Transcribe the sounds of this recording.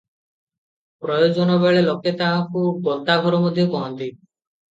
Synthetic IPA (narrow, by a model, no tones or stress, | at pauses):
pɾɔjod͡ʒɔnɔbeɭeloket̪aãkuɡɔʈ̪aɡʱɔɾɔmod̪ʱjokɔɦɔnt̪i